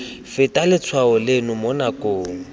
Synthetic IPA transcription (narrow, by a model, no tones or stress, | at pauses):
fɪtʼalɪt͡sʰwaʊlɪnʊmɔnakʼoːŋ̩